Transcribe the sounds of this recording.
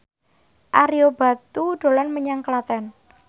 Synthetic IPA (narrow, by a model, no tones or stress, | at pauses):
ʔaɾiob̥a̤t̪uɖ̪̥o̤lanməɲaŋkəlat̪ɛn